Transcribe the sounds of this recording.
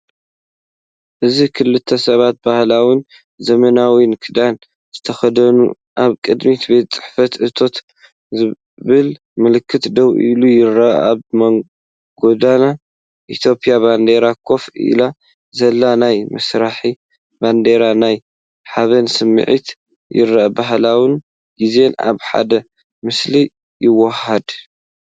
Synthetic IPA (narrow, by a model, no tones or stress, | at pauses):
ʔɨzikʰɨlːɨt̪ʰːɐsɐβat̪̚bahlawin | zɐmɐnawinkʰɨd̪an | z̥ɨt̪ʰɐxɐd̪ɐnṵ | ʔaβkʼɨd̪mit̪be̞t̪t͡sʼɨ̥ħfɐt̪ʕɨt̪ʰo̞t̪ | ɨ | βɨl | mɨlɨkʰːɨt̪d̪ɐwʔḭlujɪɾaʔa̰βmɐ | ɡo̞d̪ana | ʔit̪ʰjo̞pʼijaband̪e̞ɾakʰo̞fḭla | zɐlːanajmɨsɾaħi | band̪e̞ɾanaj | ħaβɐnsɨmːɨ̰ʕḭt̪ | jɪ̰ɾːaʔbaɦlawɨn | ɡize̞na̰βħa̰d̪ɐ | mɨsli | jɪwɐhɐd̪